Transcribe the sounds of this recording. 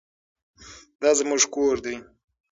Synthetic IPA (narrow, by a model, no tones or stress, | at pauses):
d̪ɑzmuʐkoɾd̪i